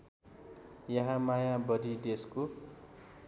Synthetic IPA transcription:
jʌɦãmajabʌd̪ʱid̪esko

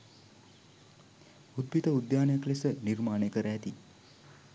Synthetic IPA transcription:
ud̪̚bit̪əud̪jaːnjaklesənirmaːnejkəɾəɛt̪i

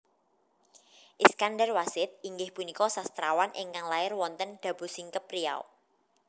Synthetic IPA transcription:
ʔiskanɖərwasɪt̪̚iŋɡɪhpunikɔsast̪ɾawanʔɪ̰ŋkaŋlaɪrwɔnt̪ənɖ̥ä̤b̥ṳsiŋkəpria̰w

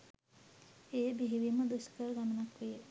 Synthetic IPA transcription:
ejəbiɦiʋiməd̪uskəɾəɡamənakʋijə

